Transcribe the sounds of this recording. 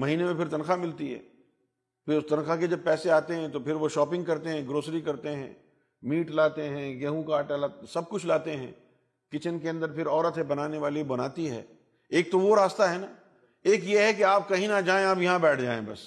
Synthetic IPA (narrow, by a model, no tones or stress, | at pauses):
mɐɦiːnemẽpʰɪɾt̪ɐnxamɪlt̪iɦɛ̰ː | pʰɪɾʊst̪ɐ̃nxaked͡ʒɐb̚pɛːseaːt̪eɦɛ̃t̪opʰɪɾʋoʃɔːpɪ̃ŋɡkɐɾt̪eɦɛ̃ɡɾoːsɾikɐɾt̪eɦɛ̰̃ | miːʈlaːt̪eɦɛ̃ɡɛɦũkaːʈalaːsɐb̚kʊt͡ʃʰlaːt̪eɦɛ̰̃ | kɪt͡ʃənk̬eɐ̃nd̪əɾpʰɪɾɔːɾət̪ebɐnaːneʋaːlibɐnaːt̪iɦɛ̰ː | eːk̚t̪oʋoɾaːst̪aɦɛnaː | eːk̬jeɦɛkeaːp̚kɐɦĩnad͡ʒaːẽaːpjɐɦãbɛːʈʰd͡ʒaːḛ̃bɐ̰s